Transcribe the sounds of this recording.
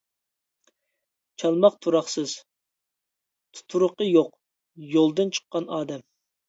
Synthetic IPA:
t͡ʃʰɑlˠmɑq̚t̪ʰuɾɑχsɨz̥ | t̪ʰu̥t̪ʰuɾʊqːəjoq | jolˠd̪ɨnt͡ʃʰə̥qːɑnɑːd̪ɛm

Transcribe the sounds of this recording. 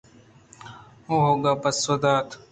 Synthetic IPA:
ɦoːɦoːɡaːpɐsːoːd̪aːt̪

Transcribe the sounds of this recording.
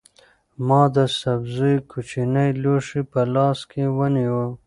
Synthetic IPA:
mɑːd̪əsɐbzujkʰut͡ʃinajloʂipəlɑːskʰewəniwə

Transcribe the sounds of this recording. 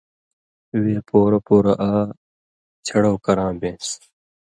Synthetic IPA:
weːpoːɾɐpoːɾɐʔaː | t͡ɕʰɐɽoːkɐɾãːbẽːs

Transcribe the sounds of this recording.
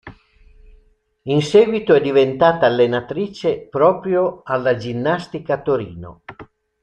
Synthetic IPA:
insɛːɡwit̪oɛd̪ːivent̪aːt̪aːlːenat̪ɾiːt͡ʃepɾɔːpɾjoalːad͡ʒinːast̪ikat̪oɾiːno̰

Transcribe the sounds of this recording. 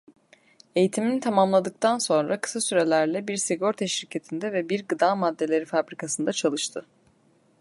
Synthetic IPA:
e̞jit̪ʰiminit̪ʰamamlˠad̪ɯk̚t̪ʰanso̞nɾakʰɯ̥sasyɾe̞lʲæɾlʲɛbiɾsiɡoɾt̪ʰɛʃɾicʰet̪ʰind̪ɛvɛbiɾɡɯd̪aːmad̪ːe̞lʲe̞ɾifabɾikʰasɯnd̪at͡ʃʰalˠɯʃt̪ʰɯ

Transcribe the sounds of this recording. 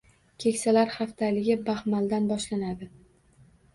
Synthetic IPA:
kʲʰe̞kʲsalaɾχaft̪ʰalɪɡʲɪbahmald̪anbɒʃlanad̪ɪ

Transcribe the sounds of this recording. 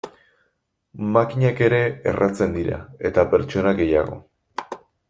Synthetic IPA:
makiɲake̞ɾe̞ːrʔat͡se̞nd̪iɾa̰e̞t̪ape̞ɾt͡ʃo̞naɡe̞ja̰ɣ̞o̞̰

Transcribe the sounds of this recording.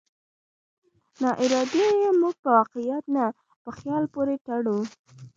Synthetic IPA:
nɑʔɪɾɑd̪ejemuɡ̚pəwɑqijat̪na | pəxjɑlpoɾeʈaɽu

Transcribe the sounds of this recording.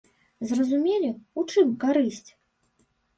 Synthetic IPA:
zrɐzumʲelʲiut͡ʂɨmkaɾɨsʲt͡sʲ

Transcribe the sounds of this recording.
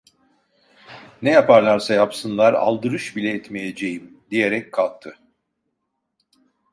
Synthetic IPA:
nɛjapaɾlˠaɾsajapsɯnlˠaɾa̰lˠd̪ɯɾɯʃbilʲɛɛt̪mejed͡ʒejimd̪ijeɾɛc̚kʰalˠtt̪ʰːɯ

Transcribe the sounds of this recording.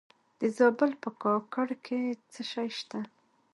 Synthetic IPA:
d̪̥əzɑbəlpəkɑkaɽkʰet͡səʃɑjʃt̪a

